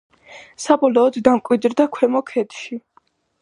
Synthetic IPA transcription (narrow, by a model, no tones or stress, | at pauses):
sabɔlɔːd̪ːamkʼwid̪ɾd̪akʰwɛmɔkʰɛt̪ʃi